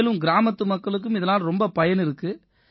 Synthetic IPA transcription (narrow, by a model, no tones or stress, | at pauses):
lɯmɡɪɾaːmɐt̪ːɯmɐkːɐɭɯk̬ːɯmɪðɐnaːlɾɔmbɐpɐjɐnɪɾɯkːɯ